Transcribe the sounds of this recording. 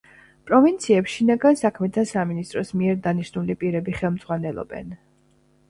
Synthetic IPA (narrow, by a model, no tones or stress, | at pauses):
pʼɾɔvint̪sʰiɛpsʃinaɡansakʰmɛt̪ʰasaminist̪ʼɾɔsmiɛɾd̪aniʃnulipʼiɾɛbiχɛlˠmd̪z̥ʁwanɛlˠɔ̰bɛ̰n